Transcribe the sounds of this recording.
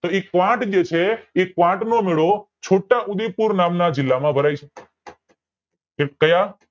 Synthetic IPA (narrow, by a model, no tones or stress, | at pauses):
t̪oekʋãʈd͡ʒet͡ʃʰeːkʋãʈnomeɭo | t͡ʃʰoʈaʔud̪ipuɾnamnad͡ʒɪlːamãbʱəɾajt͡ʃʰe | kekəjã